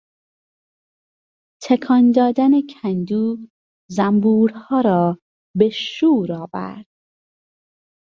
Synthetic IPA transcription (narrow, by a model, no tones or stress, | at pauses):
t̪ʰekʰɒnd̪ɒːd̪ænecʰænd̪uː | zæmbuːɾhɒːɾɒː | beʃuːɾɒːvæ̰ɾd̪̥̚